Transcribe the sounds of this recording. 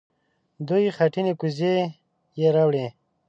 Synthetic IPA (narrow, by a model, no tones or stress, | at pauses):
d̪ujxaʈinekuze | jeɾawɽe